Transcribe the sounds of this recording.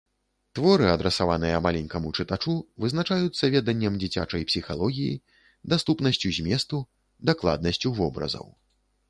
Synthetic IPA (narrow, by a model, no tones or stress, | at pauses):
t̪vɔɾɨɐd̪ɾɛsavanɨjɐmalʲɛnʲkɐmut͡ʂɨt̪at͡ʂuvɨznat͡ʂajut̪sːɐvʲɛd̪ɐnʲːɛmd͡zʲit͡sʲa̰t͡ʂɐjpsʲixa̰lˠɔɣʲijḭ | d̪ast̪upnɐsʲt͡sʲuzʲmʲjɛst̪u | d̪aklˠa̰d̪̚nɐsʲt͡sʲuvɔbɾɐ̰zɐ̰w